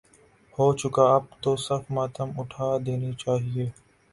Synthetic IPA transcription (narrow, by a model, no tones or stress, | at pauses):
hoːt͡ʃʊkaːɐb̚t̪oːsɐɾfmaːt̪əmʊʈʰaːd̪eːnit͡ʃaːɦieː